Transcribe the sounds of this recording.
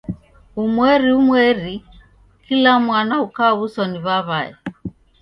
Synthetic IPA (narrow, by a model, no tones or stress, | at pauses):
umwɛɾiumwɛɾi | kilamwanaukaβusɔniβaβaɛ̰